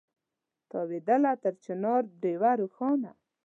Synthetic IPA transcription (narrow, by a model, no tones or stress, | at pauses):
t̪ɔwed̪əlat̪əɾt͡ʃɪnɑɾɖewaɾuxɔna̰